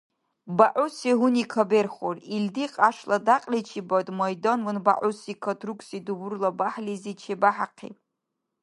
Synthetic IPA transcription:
baʔusiɦunikʰaberχorildiqʼaʂladaqʼlit͡ʃʰibotʼmojdonwɨnba̰ʕusikʰotʰrukʷʰʼsidubʊrlabaħlʲizit͡ʃʰebaħaqʰḭtʼ

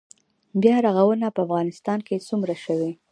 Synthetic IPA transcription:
bjɑɾaɣawənapəafɣɑnɪst̪ɑnket͡sumɾaʃəwi

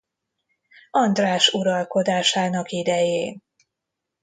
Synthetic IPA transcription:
ɒnd̪raːʃuɾɒlko̞d̪aːʃaːnɒkid̪ɛjeːn

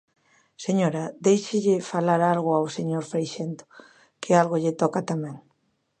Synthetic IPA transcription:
seɲoɾad̪ejʃɪʎɪfalaɾalɣʊawseɲoɾfɾejʃent̪o̥ | kʰɪalɣoʎɪt̪ɔkat̪amɛ̃ŋ

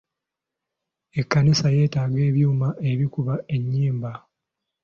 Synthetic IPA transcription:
e̞kːanisaje̞ːtaːɡe̞ːβjuːmaʔe̞βikuβae̞ɲːiːmba

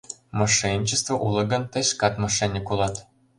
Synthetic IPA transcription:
mɑʂenʲt͡ɕɘ̆st̪vŏʔulˠɤ̆ɡɤ̆nt̪ə̆ɕkɑt̪mɑʂenʲɘ̆kulˠɑt̪

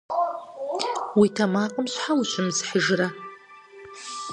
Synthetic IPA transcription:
witʰɐmaːqʼəmɕħawuɕʷɪmzħəʒrɐ

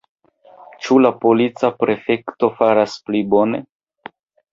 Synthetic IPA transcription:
t͡ʃulapo̞lit͡sapɾe̞fe̞kto̞faɾasplibo̞ne̞

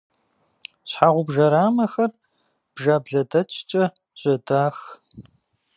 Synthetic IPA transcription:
ɕħaːʁʷʊbʒɐɾaːmɐxɐr | b̥ʒaːbɮɐdɐt͡ʃʼt͡ʃʼɐ | ʑ̥ʼɐdaːx

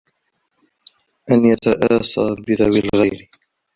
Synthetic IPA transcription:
ʔanjat̪aʔaːsaːbɪðawɪlɣajɾɪ

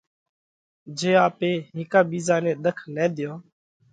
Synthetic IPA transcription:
d͡ʒeːaːpeːɦɪ̃ːkaːɓiːzaːnẽːɗ̪əkʰnɛ̃ːd̪ɪjoː

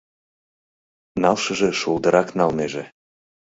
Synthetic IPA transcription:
nɑlʃɤ̆ʒĕʃulˠd̪əɾɑknɑlneʒe

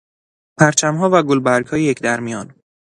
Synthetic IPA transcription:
pʰæɾt͡ʃʰæmɦɒːvæɡolbæɾɡhɒːjejecʰd̪æɾmijɒːn

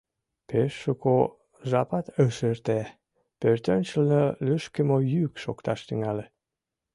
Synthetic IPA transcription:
peʃːoko | ʒɑpɑt̪əʃert̪e | pørt̪ønʲt͡ɕəlnəlyʃkəmojykʃokt̪ɑʃt̪yŋæle

